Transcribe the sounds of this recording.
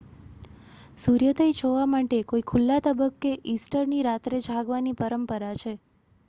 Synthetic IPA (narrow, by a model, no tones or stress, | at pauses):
suɾjət̪ʰəjt͡ʃʰoʋamaʈekoikʰulːat̪əbəkːeʔisʈəɾniɾat̪ɾed͡ʒʱaɡʋanipəɾəmpəɾat͡ʃʰe